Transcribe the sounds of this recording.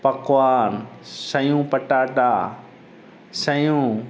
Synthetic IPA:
pɐkʋaːnsɐjũːpɐʈaːʈaː | sɐjũː

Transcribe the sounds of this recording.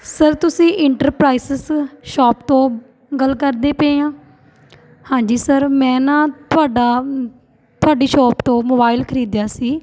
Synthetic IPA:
səɾt̪ʊsĩːʔɪɳʈəɾpɾaːɪsɪsʃɔːp̚t̪õː | ɡəlkəɾd̪eːpeãː | hãːɲd͡ʒiːsəɾmɛ̃ːnãːt̪ʊaːɖaː | t̪ʊaːɖiːʃɔːpt̪õːmoːbaːɪlkʰəɾiːd̪jaːsiː

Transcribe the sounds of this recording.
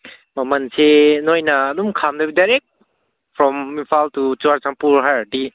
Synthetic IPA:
mɐmɐnsenojnɐːdumkʰamdɐbidajɾek̚t̚ | pʰɾɔminpʰaltut͡ʃuaɾsaŋpuɾɦajadi

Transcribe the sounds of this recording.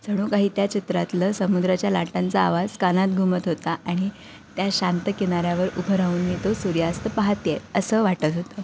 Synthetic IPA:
d͡zʱəɽ̃uːkaɦiːt̪jat͡ɕit̪ɾat̪ləsəmud̪ɾat͡ɕjalaʈãnt͡saːʋad͡zkanat̪̚ɡʱumət̪ɦot̪aʔaɽ̃i | t̪jaɕant̪əkeɽ̃aɾjaʋəɾubʱəɾauːnːiːt̪osuɾjast̪əpaɦat̪jeəsəːʋaʈət̪ɦot̪ə

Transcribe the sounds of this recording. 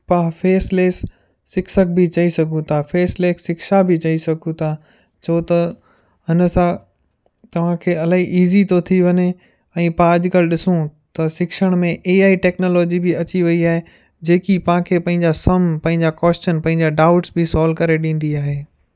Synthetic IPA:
pãfeːsleːsː | ɪkʃək̚bɪt͡ɕɐisɐɡʱũt̪ʰafeːsleːksɪkʃabɪt͡ɕɐisɐɡʱũt̪ʰa | t͡ɕʰoːt̪ɐ | ɦɪnə̆sã | t̪ɐʋ̤ãkʰeːɐlaːiʔiːzit̪ot̪ʰiʋɐɲe | ɛ̃ːpãɐd͡ʑkəlɗɪsũt̪ɐsɪkʃəɽ̃mẽʔeːaːiʈɛːknoːloːd͡ʑibɪɐt͡ɕiʋɐiaːɦe | d͡ʑeːkipɐʋ̤ãkʰeːpɐ̃ɦɪ̃ɲ̆d͡ʑasɐmpɐ̃ɦɪ̃ɲd͡ʑakɔːsʈənpɐ̃ɦɪ̃ɲ̆d͡ʑaɖaːʊʈsbɪsɔːlkɐɾeɗĩːn̆d̪iaːɦeː

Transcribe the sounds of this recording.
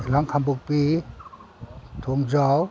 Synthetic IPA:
laŋkʰambuk̚piː | t̪ʰuŋzɔw

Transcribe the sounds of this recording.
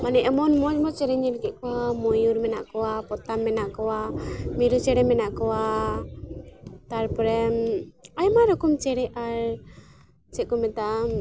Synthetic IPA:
manɛʔɛmɔnmɔd͡ʒmɔt͡ʃɛɾɛɲɛɾkɛʔkɔwamɔjuɾmɛnaʔkɔwapɔt̪amːɛnaʔkɔwamiɾut͡ʃɛɽɛmɛnaʔkɔwa | t̪aɾpɔɾɛmajmaɾɔkumt͡ʃɛɾɛʔaɾ | t͡ʃɛʔkumɛt̪a

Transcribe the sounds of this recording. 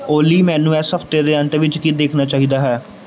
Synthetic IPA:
oːliːmɛ̃ːnũːɛːsəpʰt̪eːd̪eːə̃ɳʈ̪eʋɪt͡ʃkiːd̪eːkʰnaːt͡ʃaːɦiːd̪aːɦɛː

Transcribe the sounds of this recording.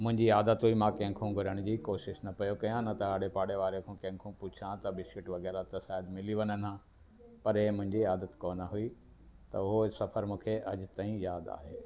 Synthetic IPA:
mʊ̃ɦɪ̃ɲd͡ʑiaːd̪ət̪ɦuimãːkɐ̃ɦɪ̃kʰũɡʱɐɾəɽ̃d͡ʑiːkoːʃɪʃnɐpɐjokɐjãnɐt̪ɐɦaːɽepaːɽeʋaːɾekʰũkɐ̃ɦɪ̃kʰũput͡ɕʰãt̪ɐbɪskɪʈʋɐɡɛːɾat̪ɐsaːɦd̪mɪliʋɐnənã | pɐɾemʊ̃ɦɪ̃ɲd͡ʑiaːd̪ət̪koːnəɦʊi | t̪ɐ̰ʊɦosɐfʰəɾmũːkʰeʔɐd͡ʑt̪aːĩjaːd̪a̰ːɦeː

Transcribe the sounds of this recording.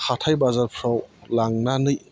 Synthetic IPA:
xʰatʰajbazalpʰɾɔwlaŋnanɯj

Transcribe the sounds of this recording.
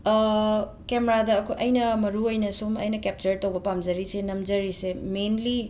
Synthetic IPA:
kemeɾadɐːkʰojʔɐjnɐmɐɾuojnɐsomɐ̰jnɐkep̚t͡ʃɐɾtɐwbɐpamd͡ʒɐɾisenɐmd͡ʒɐɾisemenli

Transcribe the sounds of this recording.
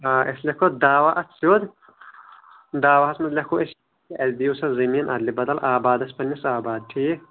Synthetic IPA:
aːʔeslekʰod̪aːwaʔɐt͡ssjoːd̪ | d̪aːwɐɦɐsmɐd̪lʲekʰoʔes | kiʔɐzd̪iusɐzɐmiːnʔɐ̰d̪libɐd̪ɐlʔaːbaːd̪ɐspɐnisaːbaːd̪̚ʈ̪ʰi

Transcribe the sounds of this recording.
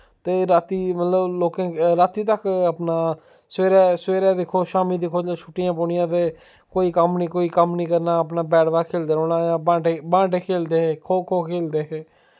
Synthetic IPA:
t̪eːɾaːt̪iːmət̪ləbloːkẽːɾaːt̪iːt̪əkəpnaː | seːɾɛːsweːɾɛːd̪ɪkʰoːʃaːmiːd̪ɪkʰoːd͡ʒãːt͡ʃʰʊʈːɪjãːpoɳɪjãːt̪eː | koːiːkəmniːkoːiːkəmnĩːkəɾnaːəpnaːbɛːɽʋaːkʰeːld̪eːoːnãːjãːbãːɖebãːʈekʰeːld̪eːɦeːkʰoːkʰoːkʰeːld̪eːɦeː

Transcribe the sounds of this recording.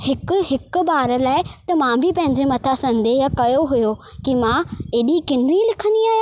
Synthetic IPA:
hɪkʊ̆ɦɪkʊ̆baːɾəlaːɪt̪ɐmãbʱɪpɐ̃ɦɪ̃ɲd͡ʑemɐt̪ʰasɐ̃nd̪eːɦkɐjoɦʊjokimãeːɗikɪnɾilɪkʰə̃nd̪iaːɦj

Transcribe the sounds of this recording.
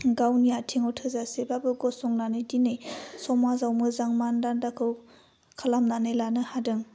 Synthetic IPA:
ɡawniatʰiŋɔtʰɯzasebabɯɡɔsɔŋnanɯjdinɯjsɔmazawmɯzaŋmandandakʰɯw | kʰalamnanɯjlanɯhadɯŋ

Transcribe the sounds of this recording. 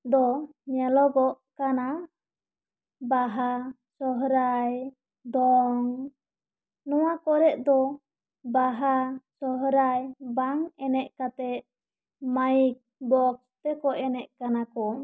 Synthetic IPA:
d̪ɔ | ɲɛlɔɡɔʔ | kana | baɦa | sɔɦɾaj | d̪ɔŋ | nɔwakɔɾɛʔ̪̚d̪ɔ | baɦasɔɦɾajbaŋɛnɛʔ̪̚kat̪ɛt̪̚ | maik̚bɔkst̪ɛkɔʔɛnɛʔ̪̚kanakɔ

